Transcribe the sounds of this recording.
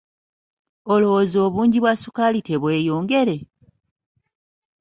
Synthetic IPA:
olo̞wozio̞ːβuːɲɟiβwasukalite̞βwe̞ːjoːŋɡe̞ɾe̞

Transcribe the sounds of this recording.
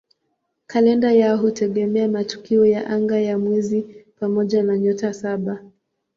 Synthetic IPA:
kalɛndajaɔɦutʰɛɠɛmɛamatu̥kiɔjaʔaŋɡajamwɛzipamɔʄanaɲɔtasaɓa

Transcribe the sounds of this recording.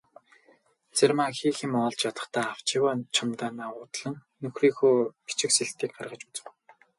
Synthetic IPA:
t͡sermaxiːxĭmɔːɮt͡ɕjat̪ə̥̆χt̪ʰaːaw̥t͡ɕɪwaːnt͡ɕʰamt̪aːnaːʊːt̪ɮə̆nːɵxriːxuːpi̥t͡ɕɪ̆kseɮt̪iːk̚ɢarʁə̆t͡ɕut͡sɘ̥̆w

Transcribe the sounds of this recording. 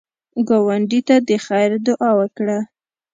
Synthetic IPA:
ɡɑwaɳɖit̪ad̪əxajɾd̪ʊʔɑwəkɽa

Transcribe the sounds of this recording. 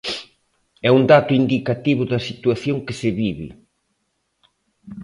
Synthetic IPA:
ɛund̪at̪ʊind̪ikat̪iβʊðɐsit̪waθjoŋkɪsɪβiβɪ̰

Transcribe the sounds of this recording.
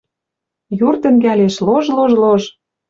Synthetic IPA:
jurt̪ə̆ŋɡæleʃloʒloʒloʒ

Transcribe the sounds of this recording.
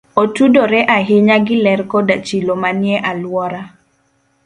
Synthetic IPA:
otudoɾɛʔaɦɪɲaɡɪlɛrkɔdat͡ʃilomanjɛʔalwɔɾa

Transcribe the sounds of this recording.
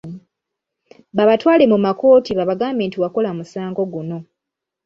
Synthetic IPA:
βaβatwaːle̞mumako̞ːtiβaβaɡaːmbe̞ːntiwako̞lamusaːŋɡo̞ɡuno̞

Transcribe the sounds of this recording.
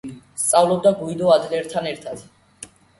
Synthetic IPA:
st̪sʼavlɔb̚d̪aɡuid̪ɔad̪lɛɾt̪ʰanɛɾt̪ʰad̪̥

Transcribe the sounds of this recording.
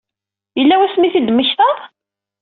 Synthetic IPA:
jəlːæwæsmiθid̪məçθɑðˤ

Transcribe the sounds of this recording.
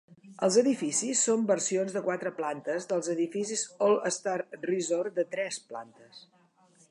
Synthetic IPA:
əlˠzəðifisisːombərsionzðəkwat̪ɾəplant̪əzðəlˠzəðifisizolˠəst̪arrizord̪ət̪ɾɛspla̰nt̪əs

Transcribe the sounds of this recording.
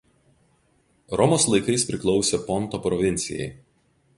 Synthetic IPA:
ɾɔmoːslˠɐɪkɐɪspʲɾʲɪklˠɒʊsʲepɔnˑt̪opɾɔʋʲɪnʲt̪sʲɪ̰jɛ̰ɪ

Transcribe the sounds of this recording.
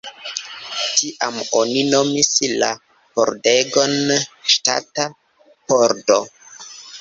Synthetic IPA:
tiʔamonino̞misla | po̰ɾdeɡonʃta̰ta | poɾdo

